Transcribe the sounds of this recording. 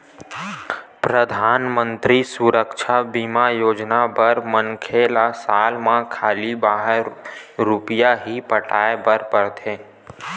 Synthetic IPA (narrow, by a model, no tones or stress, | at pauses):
pɾəd̪ʱaːnmə̃nt̪ɾisuɾəkʃʰabimajoːd͡ʒnabəɾmənkʰelasaːlmãkʰaːlibaːɦəɾːʊpjaɦipəʈʰaːebəɾpəɾt̪ʰẽː